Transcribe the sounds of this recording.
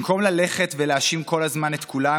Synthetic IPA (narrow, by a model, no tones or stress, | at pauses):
mko̞mlale̞χet̪veleaʃimko̞lazmanet̪kula